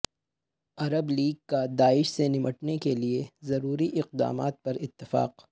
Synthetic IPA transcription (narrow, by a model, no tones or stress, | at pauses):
ɐɾəbliːɡ̚kad̪aːɪʃsenɪmʔəʈnekeliezɐɾuːɾiʔɪq̚d̪a̰ːma̰ːt̪̚pɐɾɪt̪ːɪfa̰ːq